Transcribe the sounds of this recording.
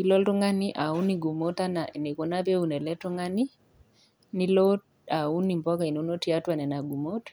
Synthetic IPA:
i˦lɔ˦ltɔ˦ŋa˦ni˦ʔa˨u˦ni˨ɡu˨mo˦ta˦na˨ne˨ko˨na˦pe˦u˨nɛ˨lɛ˦tɔ˦ŋa˦ni˦ | ni˦lo˦ | a˨u˦ni˨mbɔ˦ka˨i˨no˨˦no˦ti˦a˦twa˨nɛ˨na˨ɡu˨mo˦t

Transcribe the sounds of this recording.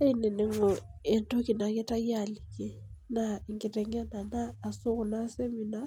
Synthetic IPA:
a˦i˦ne˨ne˨ŋɔ˨ɛ˨ntɔ˦ki˨na˨kɛ˦ta˦ja˦˨lɪ˨ke˦na˨i˨ŋkɪ˨tɛ˨ŋɡa˦na˨naː˦˨sʊ˦ɣʊ˨na˦se˦mi˨na˦

